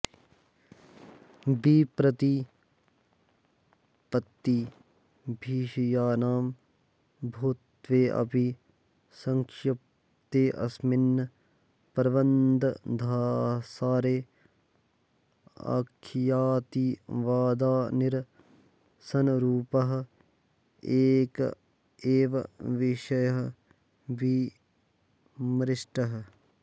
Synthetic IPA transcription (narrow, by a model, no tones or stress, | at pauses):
biːpɾɐt̪i | pɐt̪ːi | bʱiːʃijaːnaːm | bʱuːt̪ʋeːʔɐ̰bʱi | sɐŋkʃɐp | t̪eːʔɐ̰sminːɐ | pɐɾʋɐnd̪ɐd̪ʱasaːɾeː | ɐ̰kʰijaːt̪iːʋaːd̪aːnɪɾ | sɐnɾuːpɐɦɐ̆ | eːk | eːʋɐ̰ʋɪʃɐjɐɦ | ʋi | mɾɪʃʈɐɦɐ̆